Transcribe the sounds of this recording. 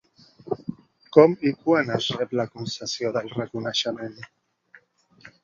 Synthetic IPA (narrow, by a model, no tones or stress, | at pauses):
kɔmikwanazrɛplakunsesjoðalrekunaʃamẽn